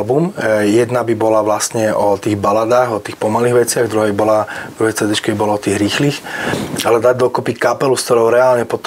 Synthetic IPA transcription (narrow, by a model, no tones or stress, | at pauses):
lbumjɛd̪nabibɔlaʋlast̪ɲɛʔɔt̪iːɣbalad̪aːɣɔt̪iːxpɔmaliːɣʋɛt͡sɪaɣd̪ɾuɦɛibɔlad̪ɾuɦɛt͡sʋɛd̪ɲit͡ʃkɛbibɔlɔɔt̪iːɣɾiːxliːxalɛd̪aɟd̪ɔkupikapɛluskt̪ɔɾɔʊɾɛaːlɲɛpɔt̪